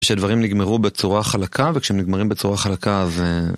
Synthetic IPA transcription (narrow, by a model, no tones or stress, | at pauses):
ʃead̪vaʁimniɡmeʁubet͡suʁaχalakʰavekʃeemniɡmaʁimbet͡suʁaχalakaze